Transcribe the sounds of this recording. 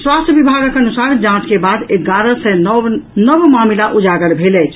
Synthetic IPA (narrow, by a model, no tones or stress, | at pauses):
swast̪əbibʱaɡəkənusaɾd͡ʒãt͡ʃkebad̪eɡaɾəsɛnəbmamilaʔud͡ʒaɡəlbʱelɛt͡ʃʰ